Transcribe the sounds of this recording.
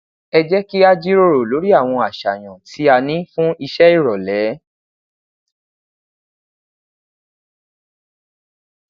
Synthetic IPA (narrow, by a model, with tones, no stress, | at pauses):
ɛ˧d͡ʒɛ˦ki˦a˧d͡ʒi˦ɾo˦ɾo˨lo˨˦ɾi˦a˦˨w̃ɔ̃˧a˨ʃa˨j̃ɔ̃˨ti˨˦a˧nĩ˦fũ˦i˧ʃɛ˦i˦˨ɾɔ˨lɛ˨˦